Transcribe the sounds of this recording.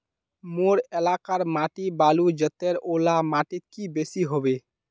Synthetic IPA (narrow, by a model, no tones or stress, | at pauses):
moɾelakaɾmaʈibalud͡ʒət̪ːeɾolamaʈit̪̚kibesiɦobe